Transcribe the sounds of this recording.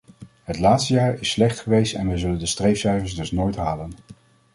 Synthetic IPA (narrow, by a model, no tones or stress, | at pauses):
ɦətlaːtstəjaːɹɪslɛχtχəʋejstɛnʋəjzɵləndəstrejfsɛjvəɹzdɵsnoːjtɦaːlən